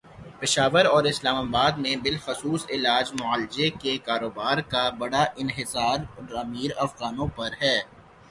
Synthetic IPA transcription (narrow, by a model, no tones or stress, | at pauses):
pɪʃaːʋəɾɔːɾɪslaːmaːbaːd̪mẽbɪlxʊsuːsɪlaːd͡ʒmʊaːlɪd͡ʒekekaːɾoːbaːɾkabɐɽaʔɪnɦɪsaːɾɖɾaːmiːɾɐfɣaːnõpɐɾɦɛː